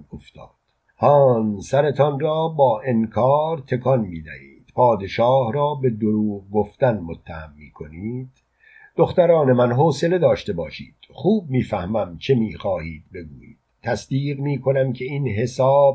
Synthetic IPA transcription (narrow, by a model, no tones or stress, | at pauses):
oft̪ʰɒ̰ːd̪̥ | hɒːnsæɾe̞t̪ʰɒnrɔːbɒːʔe̞ŋkʰɒːɾt̪ʰe̞kʰɒnmiːd̪æ̰hḭːd̪̥pʰɒːd̪e̞ʃɒːhɾɒːbe̞d̪oɾuːʁɡoft̪ænmot̪ʰːæhæ̰mːiːkʰo̞niːd̪̥ | d̪̥oxt̪æɾɒːne̞mænɦoːse̞le̞d̪ɒːʃt̪e̞bɒːʃḭːd̪̥xuːb̚miːfæhmæmt͡ʃʰemiːxɒːhiːd̪̥̚be̞ɡuːjḭːd̪̥t̪ʰːæsd̪iːɣmiːkʰo̞næmcʲʰe̞inɦe̞sɒːb̚